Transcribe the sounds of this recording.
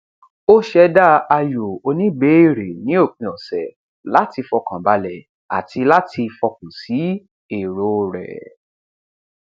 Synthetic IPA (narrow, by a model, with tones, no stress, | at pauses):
o˦ʃɛ˧da˦a˧jo˨o˧nĩ˦be˨˦e˦˨ɾe˨nĩ˨˦o˦˨k͡pĩ˧ɔ˨sɛ˨ | la˦ti˧fɔ˧kã˨ba˧lɛ˨ | a̰˨ti˧la˦tʰi˧fɔ˧k̚u˨si˨˦ | e˨ɾo˧ɾɛ̰˨